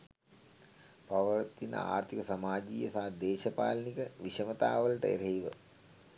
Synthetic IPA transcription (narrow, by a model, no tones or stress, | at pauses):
paʋɐɾɐt̪ːinə̰a̰ːrt̪ʰikəsamaːd͡ʒiːjəsad̪eːʃɐpa̰ːlɐnikəʋiʃɐmɐt̪aːʋəlɐʈə̰ḛɾɐiʋə